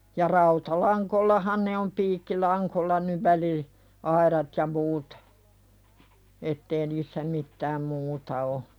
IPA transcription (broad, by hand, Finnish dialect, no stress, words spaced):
jɑ rɑutɑlɑŋkolːɑhɑn ne om piːkːilɑŋkolːɑ nyʋ ʋæli ɑiɾɑt jɑ muːt etːeː niːsːæ mitːæːm muːtɑ o